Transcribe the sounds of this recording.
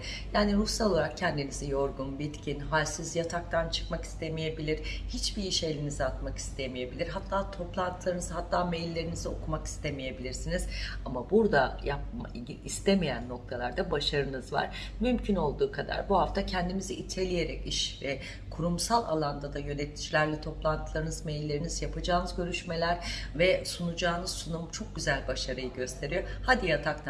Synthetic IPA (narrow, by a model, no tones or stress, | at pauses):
jaːniɾusalˠo̞lˠaɾak̚cʰɛnd̪inizijo̞ɾɡunbit̪cʰinɦalʲsizjat̪ʰak̚t̪ʰant͡ʃʰɯ̥kmaki̥st̪ʰe̞mije̞bilʲiɾ̥hit͡ʃbiiʃe̞lʲiniziat̪̚maki̥st̪ʰemije̞bilʲiɾɦat̪ʰːaːt̪ʰo̞plˠant̪ʰɯlˠaɾɯnɯzhat̪ʰːaːmɛjlʲːe̞ɾinizio̞kʰumaki̥st̪ʰe̞mije̞bilʲiɾsiniz̥amabuɾd̪ajap̚a | ist̪ʰemijænːo̞k̚t̪ʰalˠaɾd̪abaʃaɾɯnɯzva̰ɾ̥ | mymcʰyno̞lˠd̪uːkʰad̪a̰ɾbuɦaft̪ʰacʰɛnd̪imiziʔit̪ʰe̞lʲije̞ɾɛciʃvɛ | kʰuɾumsalˠa̰lˠand̪ad̪ajø̞net̪ʰi̥d͡ʒilʲæɾlʲɛt̪ʰo̞plˠant̪ʰɯlˠaɾɯnɯzmejlʲːe̞ɾinizjapʰad͡ʒaːnɯzɟø̞ɾyʃme̞lʲæɾvɛsunud͡ʒaːnɯz̥sunumt͡ʃʰo̞k̚ɟyzælʲbaʃaɾɯjɯɟø̞st̪ʰe̞ɾijo̞had̪ijat̪ʰakn